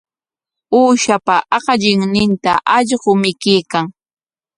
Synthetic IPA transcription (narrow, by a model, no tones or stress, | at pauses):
uːʃapaʔɑqɑʎɪŋnɪnt̪aʔɑʎɢʊmɪkɪːkaŋ